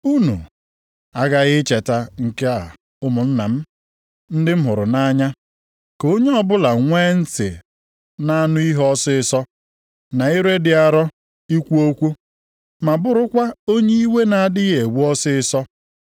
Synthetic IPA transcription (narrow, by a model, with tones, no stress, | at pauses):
u˦nṵ˨ | a˦ɡa˦ɣɪ˦t͡ʃe˨ta˨ŋ̩˨ke˦a˨ | ʊ˦mʊ˨n̩˦na˨m̩˦ | n̩˦dɪ˦m̩˦ɦʊ˨ɾʊ˨na˦ɲa˦ | ko˦ɲe˦ɔ˦bʊ˦la˨ŋʷe˦n̩˦sḛ˨ | na˦nʊ˦i˦ɦɔ˦sɪ˦ɪ˦sɔ˦ | na˨i˦ɾe˦dɪ˨a˨ɾɔ˦ | i˦kʷu˦o˦kʷu˦ | ma˨bʊ˦ɾʊ˦kʷa˦o˦ɲe˦i˦we˦na˨a˨dɪ˦e˨wu˦ɔ˦sɪ˦ɪ˦sɔ˦